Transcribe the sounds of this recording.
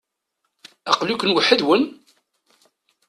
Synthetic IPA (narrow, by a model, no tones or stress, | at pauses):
æqlukːənwəħːəðwən